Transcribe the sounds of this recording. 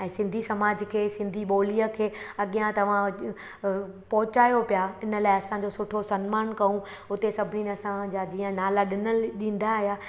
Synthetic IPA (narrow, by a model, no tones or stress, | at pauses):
ɛ̃ːsɪ̃nd̪ʱisɐmaːd͡ʑkʰeːsɪ̃nd̪ʱiɓoːliəkʰeːɐɠijãt̪ɐʋ̤ã | pɐɦʊt͡ɕaːjopijaɪnəlaːɪɐsãɲd͡ʑosʊʈʰosɐnmaːnkɐũ | ʊt̪esɐbʱɪninɐsãd͡ʑaːd͡ʑiːə̃naːlaɗɪnəlɗĩːn̆d̪aɦijaː